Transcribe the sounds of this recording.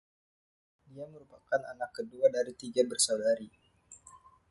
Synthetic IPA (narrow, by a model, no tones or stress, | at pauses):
diaməɾupakana̰nakːəduadaɾit̪iɡabərsawdaɾi